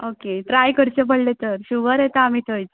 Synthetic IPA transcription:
okeʈɾajkəɾt͡ɕepəɽlet̪əɾɕuɡəɾet̪aam̤iːt̪ʰəjt

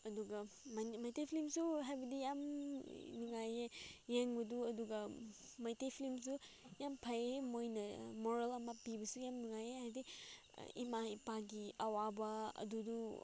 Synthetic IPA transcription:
ɐduɡɐ | mmajtepʰilimsuɦajbɐdijam | nuŋajejeŋbɐduɐduɡɐ | majtepʰilims̬ujampʰɐjemojnɐmoɾelɐmɐpibɐsujamnuŋajeɦajdḭ | ḭmaipaɡiɐwabɐɐ̰dudu

